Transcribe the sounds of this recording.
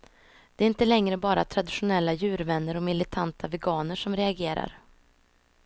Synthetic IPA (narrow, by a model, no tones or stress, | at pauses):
d̪̥ɛæɾɪnt̪əlɛŋɾəbɑːɾat̪ʰɾad̪ɪɧʊnɛlːajʉ̟ːɾvɛnːəɾɔmɪlɪt̪ʰant̪ʰavɛɡɑːnəʂɔmɾɛaɡeːɾa̰ɾ